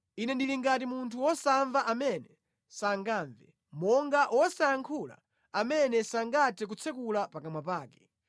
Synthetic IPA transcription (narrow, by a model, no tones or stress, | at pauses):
inɛndiliŋɡat̬imuntʰuɔsaɱvaʔamɛnɛ | saŋɡaːɱvɛ̰ | mɔŋɡaʔɔsaːŋkʰula̰ | amɛnɛsaŋɡatʰɛk̬ut͡sʰɛkulapakamwapaːkɛ̥